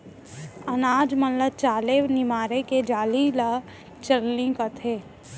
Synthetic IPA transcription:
ənaːd͡ʒmənlət͡ʃaːlenɪmaːɾeked͡ʒaːlila | t͡ʃəlnĩkət̪ʰeː

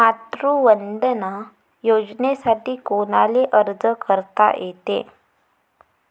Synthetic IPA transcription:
mat̪ɾuʋəɳɖ̪əna | jod͡ʑnesaʈiːkonaleʔəɾd͡zəkəɾt̪a̰jʔet̪ḛ

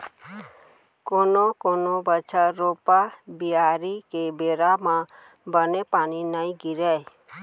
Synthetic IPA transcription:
konokɔnobət͡ʃʰaɾopabiaɾikebeɾama | bənepaninajɡiɾɛj

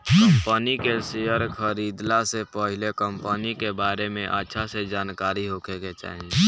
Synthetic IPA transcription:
kəmpənikesejəɾkʰəɾiːd̪lasepəɦɪlekəmpənikebaːɾemẽʔətːʃʰased͡ʒaːnkaːɾiɦoːkeket͡ʃa̰ːɦie

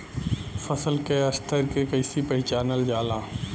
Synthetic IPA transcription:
fəsəlkeɐst̪ʰəɾkekɐɪsipɐɪt͡ʃaːnəld͡ʒaːlãː

